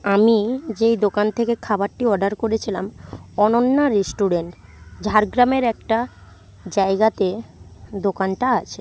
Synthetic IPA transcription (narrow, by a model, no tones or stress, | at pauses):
amid͡ʑejd̪okant̪ʰekekʰabaɾʈiɔɖaɾkoɾet͡ɕʰilamɔnonːaɾisʈuɖeɳʈd͡ʑʱaɾɡɾameɾɛk̚ʈa | d͡ʑaeɡat̪ed̪okanʈaat͡ɕʰe